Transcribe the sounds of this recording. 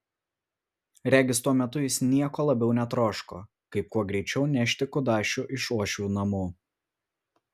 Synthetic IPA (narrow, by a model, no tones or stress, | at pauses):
ɾʲæːɡʲɪst̪uɔmʲɛt̪ʊjɪsnʲiɛkoːlˠɐbʲɛʊnʲɛt̪ɾoːʃkoː | kɐɪp̚kuɔɡɾʲɛɪt͡ʃʲɛʊnʲæʃʲt̪ʲɪkʊd̪ɑːʃʲuʔɪʃuɔʃʲuːnɐmuː